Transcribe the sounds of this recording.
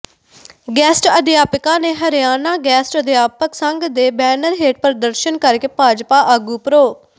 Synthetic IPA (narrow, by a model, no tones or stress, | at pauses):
ɡɛːsʈəd̪ɪjaːpɪkãːneːɦəɾjaːnaːɡɛːsʈəd̪ɪjaːpəksəŋɡd̪eːbɛːnəɾɦeːʈpəɾd̪əɾʃənkəɾkeːpaːd͡ʒpaːʔəɡuːpɾoː